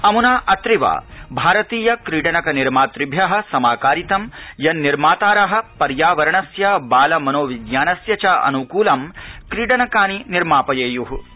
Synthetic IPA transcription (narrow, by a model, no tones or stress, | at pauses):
ɐmunaːʔɐt̪ɾiʋa̰ːbʱaːɾɐt̪iːjɐkɾiːɖɐnɐkɐniɾmaːt̪ɾibʱjɐɦɐ̆sɐmaːkaːɾit̪ɐmjɐnːiɾmaːt̪aːɾɐɦɐ̆pɐɾjaːʋɐɾɐɳɐsjɐbaːlɐmɐnoːʋiɡjaːnɐsjɐt͡ʃɐɐ̰nukuːlɐmkɾiːɽɐnɐkaːniniɾmaːpɐjeːjuɦu